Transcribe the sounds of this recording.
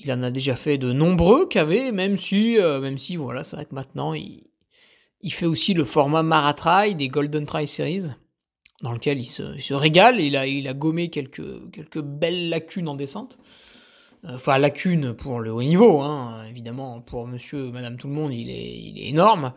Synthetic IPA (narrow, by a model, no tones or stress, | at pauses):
ilɑ̃nad̪eʒafɛd̪ənɔ̃bʁøkavɛmɛmsiømɛmsivwa̰lasɛvʁɛkəmɛ̃t̪nɑ̰̃ḭ | ilfɛosiləfɔʁmamaʁat̪χajd̪eɡɔld̪ɔnt̪χajseʁiz | d̪ɑ̃ləkʲɛlilsə̰ilsəʁeɡalilailaɡɔmekʲɛlkʰə̰kʲɛlkəbɛlːakʲʰynɑ̃d̪esɑ̃t̪ | øɑ̃fɛ̃lakʲʰynpʰuʁləonivoɛ̃øevid̪amɑ̃pʰuʁməsjømad̪amt̪ulmɔ̃d̪ilɛ̰ḭlɛ̰ḛnɔʁm